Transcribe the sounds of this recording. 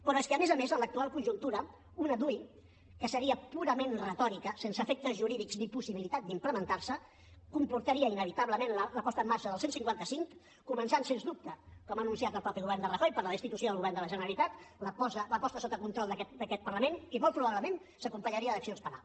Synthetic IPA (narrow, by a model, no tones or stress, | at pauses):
pəɾɔeskəːmezəmezənlək̚t̪ualˠkunʲʒunt̪uɾə | unəðui | kəsəɾiəpuɾəmenrət̪ɔɾikəsensəfɛk̚t̪əzʒuɾiðikznipusiβilit̪at̪̚d̪impləmənt̪aɾsə | kumpuɾt̪əɾiəinəβ̞it̪aβləmenlələpɔst̪əːmːaɾʃəðəlˠsensiŋkwant̪əsiŋkː | umənsansenzd̪up̚t̪əkɔmənunsiat̪əlˠpɾɔpiɣuβɛrnd̪ərəxɔjpəɾləðəst̪it̪usioðəlɣuβɛɾrnd̪ələʒənəɾəlit̪at̪ləpɔsələpɔst̪əsot̪əkunt̪ɾɔlˠd̪əkɛt̪d̪əkɛt̪̚pəɾləmenimɔlˠt̪pɾuβaβləmen | səkumpəɲəɾiəðəksionspəna̰lˠ